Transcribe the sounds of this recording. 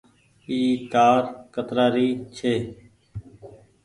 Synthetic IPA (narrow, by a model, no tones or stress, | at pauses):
iːkaːɾkət̪ɾaːɾiːt͡ʃʰeː